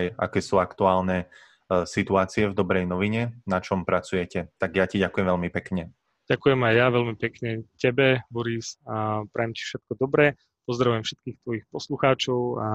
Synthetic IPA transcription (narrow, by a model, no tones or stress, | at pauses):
ja̰kɛːsuːakt̪uaːlnɛ | sit̪uaːt͡siɛvd̪ɔbɾɛjnɔʋiɲɛnat͡ʃɔmpɾat͡sujɛcɛt̪aɡjaciɟakujɛ̃mʋɛlmipɛkɲɛ | ɟ̥akujɛmajjaʋɛlmipɛkɲɛcɛbɛbɔɾisapɾʔɛjɛmci̥fʃɛt̪̚kɔd̪ɔbɾɛ | pɔzd̪ɾaʋujɛmfʃɛt̪̚kiːxt̪ʋɔjixpɔsluxaːt͡ʃɔʊa